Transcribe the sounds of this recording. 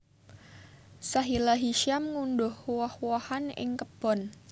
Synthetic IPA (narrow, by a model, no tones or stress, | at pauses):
saɦilaɦiʃiamŋundʊhwɔhwɔhanɪ̰ŋkəb̥ɔn